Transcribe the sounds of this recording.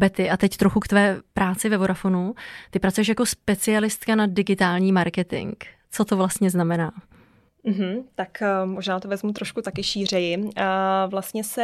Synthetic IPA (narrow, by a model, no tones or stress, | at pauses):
bɛt̪ɪʔat̪ɛct̪ɾoxukt̪vɛːpɾaːt͡sɪvɛvoɾafo̞nut̪ɪpɾat͡sujɛʃ̬jako̞spɛt͡sɪalɪst̪kanadɪɡɪt̪aːlɲiːmaɾkɛt̪ɪ̰ŋk | t͡so̞t̪o̞vlast̪ɲɛznamɛnaː | m̩ɦm̩t̪akːmo̞ʒnaːt̪ovɛzmut̪ɾoʃkut̪akɪʃiːr̝ɛjɪ | vlast̪ɲɛsɛ